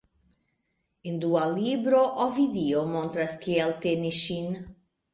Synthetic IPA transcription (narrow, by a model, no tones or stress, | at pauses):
endualibɾo̞ʔovidiomo̞nt̪ɾaskieltenisʃin